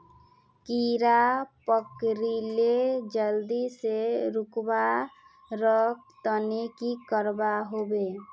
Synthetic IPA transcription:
kiɾapəkɾiled͡ʒəld̪iseɾukba | ɾək̚t̪ənekikəɾbaɦobe

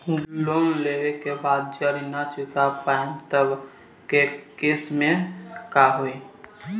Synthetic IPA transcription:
lonleʋekebad̪̚d͡ʒəɾinat͡ʃukapamt̪əb | kekesmẽkaɦoi

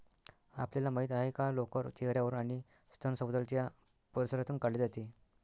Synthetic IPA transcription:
a̰pljalamaɦit̪aɦekalokəɾt̪iɦɾjaʋəɾunaɽ̃i | st̪ʰənsəwd̪əlt̪ja | pəɾsəɾat̪uːnkaɽleːd͡zat̪i

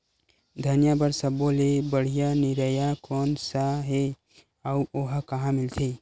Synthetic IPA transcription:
d̪ʱənjabəɾsəbolebəɽ̤ijaniɾəjakɔnsaɦe | auʔoɦkəɦãmilt̪ʰi

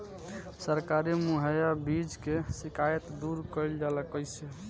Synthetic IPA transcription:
səɾkaɾimuɦəjabid͡ʒkesikʰajət̪d̪uɾkəɪld͡ʒaləkəjse

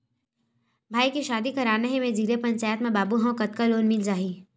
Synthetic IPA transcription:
bʱaːikiʃaːd̪ikɐɾaːneɦẽmẽd͡ʒiːɾepɐ̃ɲt͡ʃaːjət̪mẽbaːbuɦɐ̃kɐt̪kaloːnmɪld͡ʒaːɦiː

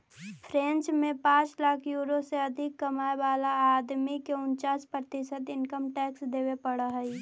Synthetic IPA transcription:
pʰɾẽːnt͡ʃmẽpãːt͡ʃlaːkʰjuːɾoseɐd̪ʱɪkːɐmaːeʋaːlaaːd̪mikeʊnt͡ʃaːspɾət̪ɪʃət̪ɪnkəmʈɛːksd̪eːwepəɽəɦɛi

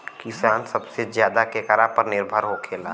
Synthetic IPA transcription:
kisaːnsɐbsezjaːd̪akekəɾapəɾnɪɾbʱəɾɦokʰeːlaː

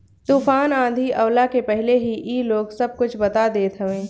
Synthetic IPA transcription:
t̪uːfaːnãːd̪ʱiʔɐʊlakepɛɦleɦiʔiːloːɡsɐb̚kʊt͡ʃʰbɐt̪ad̪eːt̪ɦɐʋẽː

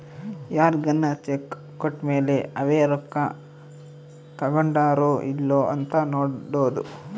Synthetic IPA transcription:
jaːɾɡɐnːɐt͡ʃekː | oʈːmeːleɐʋeːɾɔkːɐ | t̪ɐɡɐɳɖaːɾoːʔilːoːɐnt̪ɐnoːɽɖoːd̪ṵ

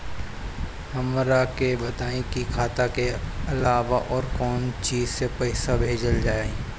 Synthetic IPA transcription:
hɐmɾakebɐt̪aːẽkikʰaːt̪akeɐlaːʋaʔɔːɾkɔːnt͡ʃiːzsepɐɪsabʱeːd͡ʒəld͡ʒaːe

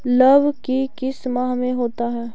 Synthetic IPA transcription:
lɐbʱkikɪsmaɦmẽɦoːt̪aɦɛː

